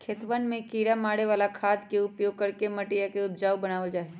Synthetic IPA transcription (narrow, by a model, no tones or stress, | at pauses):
kʰeːt̪ʋənmẽkiːɾamaːɽeʋaːlakʰaːd̪keʊpjoːɡ̚kɐɾkemɐʈijakeʊp̚d͡ʒaːwbɐnaːʋod͡ʒaːe